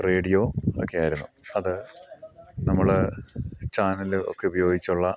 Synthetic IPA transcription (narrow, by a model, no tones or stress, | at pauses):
re̞ːɽijoo̰kːejaːjiɾunːuɐðɨ | nɐmːɐɭ | t͡ɕaːnɐlɨʔo̞̰kːe̞ubɐjo̞ːɡit͡ɕːuɭːɐ